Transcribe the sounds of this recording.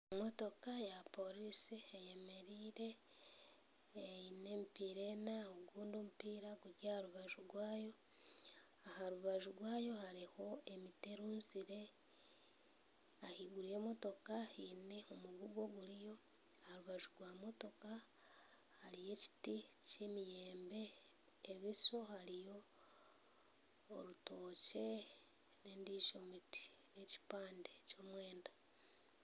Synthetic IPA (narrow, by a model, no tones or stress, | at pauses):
mo̞to̞kajapo̞ɾisiejeme̞ɾiːɾe̞ | eine̞ːmpiːɾe̞ːnaoɡuːndomupiːɾaɡuɾɟahaɾuβaʒuɾwaːjo̞ | ahaɾuβaʒuɾwaːjo̞haɾiho̞e̞mite̞ɾuːnziɾe̞ | ahiɡuɾieːmo̞to̞kahine̞omuɡuɡwo̞ɡulijo̞ | haɾuβaʒuɡwamo̞to̞ka | haɾije̞ci̥ticemijeːmbe̞ː | βiso̞haɾijo̞ | ɾuto̞ːce | ne̞ːndiːʒomiti̥ | ne̞ci̥paːndeco̞ːmwe̞ːnda